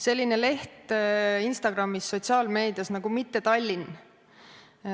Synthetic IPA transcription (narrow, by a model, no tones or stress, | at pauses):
se̞lʲːine̞le̞ht̪inst̪ɑɡ̥rɑmːisːo̞t̪ʲsɑːlme̞ːd̪̥ijɑsnɑɡumit̪ːe̞t̪ɑlʲːin